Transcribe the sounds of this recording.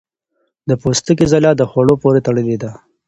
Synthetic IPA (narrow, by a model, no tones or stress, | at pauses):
d̪əpost̪əkizalɑd̪əxwaɽopoɾet̪aɽəled̪a